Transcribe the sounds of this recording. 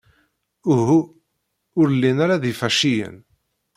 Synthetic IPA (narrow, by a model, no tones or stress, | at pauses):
uɦu | ʊɾəlːinaɾaðifæʃijə̰n